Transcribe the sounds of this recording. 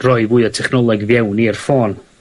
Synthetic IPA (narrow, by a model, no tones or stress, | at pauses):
rɔɨvuːɨətʰɛχnɔlˠɛɡvjɛwniərfoːn